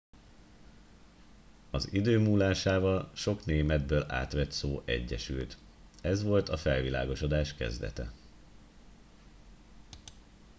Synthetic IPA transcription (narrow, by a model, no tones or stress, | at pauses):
ɒzid̪øːmuːlaːʃaːvɒlʃo̞kneːmɛd̪̚bøːla̰ːt̪ʋɛt̪soːʔɛ̰ɟːɛʃylt̪ | ɛzʋo̞lt̪ɒfɛlvila̰ːɡo̞ʃo̞d̪aːʃkɛ̰zd̪ɛ̰t̪ɛ̰